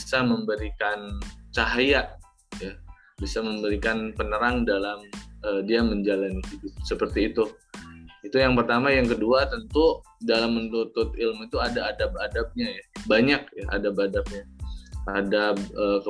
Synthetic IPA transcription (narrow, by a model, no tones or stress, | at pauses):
saməmbəɾikant͡ʃaɦajaʔ | ja | bisaməmbəɾikanpənəɾaŋdalamədiaməɲd͡ʒalanhidʊt̚səpərt̪iːt̪u | it̪ujaŋpərt̪amajaŋkəduat̪ənt̪u | dalamːənt̪ut̪ʊt̪̚ɪlmit̪uadaːdap̚adap̚ɲajabaɲak̚jaʔa̰dapadap̚ɲaadap̚əkə